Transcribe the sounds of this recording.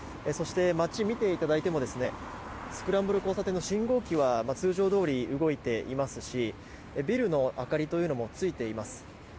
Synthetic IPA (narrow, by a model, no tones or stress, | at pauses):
eso̞ɕi̥t̪e̞mat͡ɕimʲit̪e̞it̪ad̪ait̪e̞mo̞d̪e̞sɨne̞ | sɨ̥kɯ̟ɾãmbɯɾɯ̟ko̞ːsat̪e̞nːo̞ɕĩŋɡo̞ːkʲiβamat͡sɨːʑo̞ːd̪o̞ːɾʲiɯ̟ɡo̞it̪e̞ʔimasɨɕi | ebʲiɾɯ̟no̞ʔakaɾʲit̪o̞jiɯ̟no̞mo̞t͡sɨit̪e̞imasɨ̥